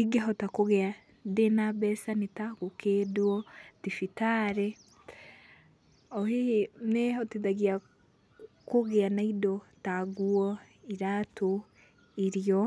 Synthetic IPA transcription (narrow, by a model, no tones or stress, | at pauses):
iɡeɦɔtakoɣea | ndenabɛsanetaɣokʰedwɔtifitaɾɛ | ɔheneɔteðaɣia | koɣeanaidɔtaɡuɔ | iɾatʰo | iɾiɔ